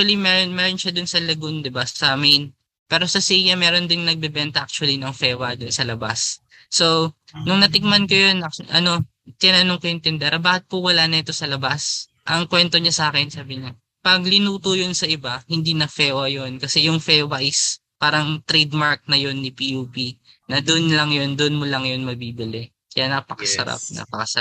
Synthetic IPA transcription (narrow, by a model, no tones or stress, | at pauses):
ɐlimɛːɾonmɛɾonʃad̪ʊnsɐlɐɡond̪ɪbasɐmejn | pɛːɾo̞sɐsijɐmɛːɾo̞nd̪ɪnnɐɡ̚bɛbɛnt̪ɐʔak̚t͡ʃʊɐlinɐŋfɛːwɐd̪onsɐlɐba̰sː | o | nʊŋnɐt̪ɪk̚mɐnkojonɐk̚ʔɐno̞ | t̪ɪnanoŋkojʊŋt̪ɪnd̪ɛɾɐbaːkɐt̪̚pʊwɐlaːnɐʔɛt̪o̞sɐlɐbas | ʔɐŋkwɛnt̪o̞ɲasaːkɛnsaːbɪɲa | pɐɡlɪnuːt̪ojonsɐʔɪbahɪnd̪inɐfɛːwɐjo̞nkɐsɛjʊŋfɛːwaʔɪs | paːɾɐŋt̪ɾɛd̪maɹk̚nɐjo̞nːipiʔuːpi | nɐd̪onlɐŋjo̞nd̪oʔnmolɐŋjo̞nmɐbiːbɪlɛ | kɐjanapɐkɐsɐ̰ɾa̰p̚nʔa̰pɐkɐs